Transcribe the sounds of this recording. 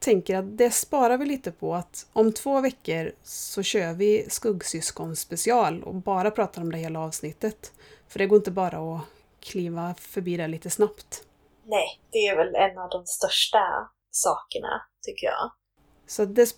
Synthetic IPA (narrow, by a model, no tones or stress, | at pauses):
t̪ʰɛŋkəɾat̪̚d̪ɛspɑːɾavɪliːt̪əpʰɔat̪ɔmt̪ʰvoːvɛkːəɾsɔɕøːvɪskɵɡːsʏskɔnspɛsɪɑːlɔ̰bɑːɾapʰɾɑːt̪aɾɔmd̪ɛheːlaɑːvsnɪt̪ːət̪ | fœɖɛɡoːɾɪnt̪əbɑːɾaɔ | kʰliːvafœɾbiːd̪ɛliːt̪əsnapt̪ | nɛd̪̥ɛævɛlɛnːɑvd̪ɔmst̪œʂʈa | sɑːkəɳa̰t̪ʰʏkːəjɑ̰ː | sɔat̪̚d̪ɛs